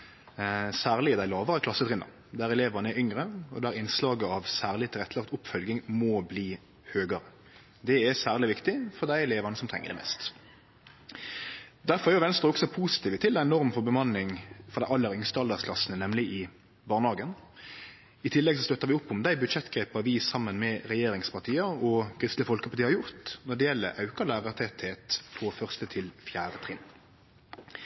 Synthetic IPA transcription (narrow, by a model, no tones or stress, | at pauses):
sæːʁlɪəd̪æɪlɑːʋəɾəkʰlɑsət̪ʰʁɪnːɑ̰ | d̪æɾɛleːʋɑnəɛʏŋʁəɔ̰d̪æɾɪnslɑːɡəɑʋsæːʁlɪt̪ʰɪlɛt̪ːəlɑk̚t̪ʊpfœlɡɪŋmɔbliː | høːɡɑɾə | d̪ɛɛsæːʁlɪʋɪkt̪ɪfɔʁd̪æɪɛleːʋɑnəsɔmt̪ʰʁɛ̰ŋːə̰d̪ɛ̰mɛ̰ːst̪ | d̪æʁfɔʁɛɾjʊʋɛnst̪ʁəʁɔksɔpʰuːsɪ̥t̪ʰiːʋət̪ʰɪlæɪɛnɔʁmfɔbəmɑnːɪŋfɔʁd̪æɪɑlːəɾʏŋst̪əɑld̪ɑskʰlɑsnənɛmlɪʔɪ | bɑːʁnhɑːɡən | ɪt̪ʰɪlːɛɡsɔst̪œt̪ːəʁʋɪʊpːʊmd̪æɪbʉd̪ʃɛt̪ːɡ̥ʁɛɪpəʋɪsɑmːənmɛʁɛjeːɾɪŋspʰɑʁt̪ʰiːəɔkʰʁɪst̪ləfɔlkəpɑt̪iːhɑjʊʁt̪nɔd̪ɛjɛlːə̰ʔɑʉkɑlæːʁət̪ʰɛt̪heːt̪fʰɔfœʁst̪ət̪ʰɪlfjæːɾət̪ʰʁɪn